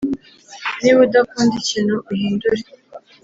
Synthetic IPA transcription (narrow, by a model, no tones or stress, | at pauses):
niβudakuːndicinuuhiːnduɾe